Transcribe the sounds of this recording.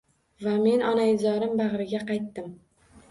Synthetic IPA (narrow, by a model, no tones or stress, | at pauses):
vame̞nɒnaɪzɒɾɪmbɑʁɾɪɡʲaqɑjt̪ːɪm